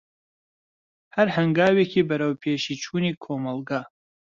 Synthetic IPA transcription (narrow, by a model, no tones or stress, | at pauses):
hɐɾhɐŋɡaːwekʰiːbɐɾɐwpʰeːʃiːt͡ʃʰuːniːkʰoːmɐlˠɡa